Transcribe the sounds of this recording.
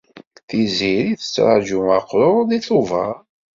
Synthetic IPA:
θiziɾiθə̥t͡sːɾˤa̰ʒuaqːɾˤoɾðiθuvə̰ɾ

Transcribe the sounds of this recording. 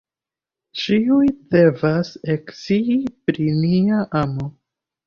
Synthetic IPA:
t͡ʃiujde̞vaseksiipɾiniaʔamo

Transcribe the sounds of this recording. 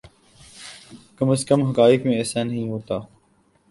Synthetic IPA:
kəməskəmɦəkaːɪkmẽːɛːsaːnəɦĩːɦoːt̪aː

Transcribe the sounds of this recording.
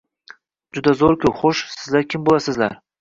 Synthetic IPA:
d͡ʒʊd̪azoɾkʰʲɵwχoʃsɪzlaɾkʲʰɪmbolasɪzla̰ɾ

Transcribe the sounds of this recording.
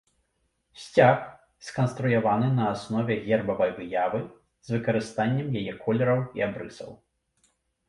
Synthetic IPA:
sʲt͡sʲax | skɐnst̪ɾujavanɨnɐːsnɔvʲɛɣʲɛrbɐvɐjvɨjavɨ | zvɨkɐɾɨst̪anʲːɛmjajɛkʰɔlʲɛɾɐwḭabɾɨsɐ̰w

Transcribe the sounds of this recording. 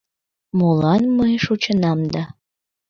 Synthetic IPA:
molɑnməjʃut͡ɕənɑmd̪ɑ

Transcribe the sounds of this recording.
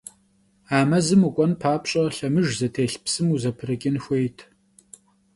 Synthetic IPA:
aːmɐzɨmukʷʼɔnpʰaːpɕʼɐɬɐmɨʒzɐtʰeːɬpsɨmuzɐpʰɨrɨkʲʼɪnxʷejtʰ

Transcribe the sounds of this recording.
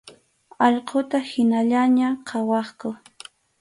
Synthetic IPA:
ɑʎqot̪ahɪnaʎaɲaqʰɑwɑχkʊ

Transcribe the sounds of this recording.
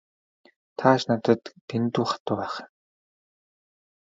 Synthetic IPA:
t̪ʰaʃnat̪ə̆t̪t̪ent̪uːχḁt̪ʊːpæːχ

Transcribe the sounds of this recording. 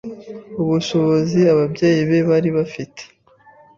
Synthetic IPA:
uβuʃo̞βoziaβabɟe̞ːjiβe̞βaɾiβafite̥

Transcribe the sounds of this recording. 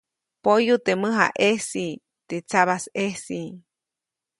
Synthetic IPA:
pojut̪eməɦa̰ʔesi | t̪et͡saβasesi

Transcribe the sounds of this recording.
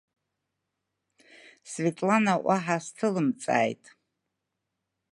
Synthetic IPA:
svetʼlanaʔaħastʰɨlɨmt͡sʼa̰ːjtʼ

